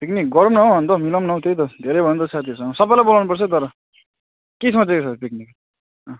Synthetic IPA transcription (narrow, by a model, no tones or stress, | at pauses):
peknik̚ɡʌɾʌmnʌɦõɦʌnt̪ʌmilʌmnʌw̃t̪ʰejt̪ʌd̪ʱeɾejbʱʌnnd̪ʌsat̪ʰiʌsʌŋɡʌsʌbajlajbʌlawnupʌrt͡sʰʌt̪ʌɾʌ | kesʌt͡sekesʰʌpik̚nik | ʌ